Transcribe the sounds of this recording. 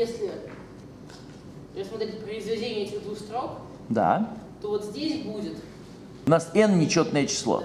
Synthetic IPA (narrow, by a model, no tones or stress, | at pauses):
jesʲlʲɪ | əsmɐt̪ɾʲet̚ʲpɾəɪzvʲɪdʲenʲɪəɛtʲɪɣd̪vuxst̪ɾok | d̪a̰t̪ovot̪zʲdʲesʲbudʲɪt̪ | ʊnasɛnnʲɪt͡ɕot̪nəjət͡ɕɪ̥slˠo̰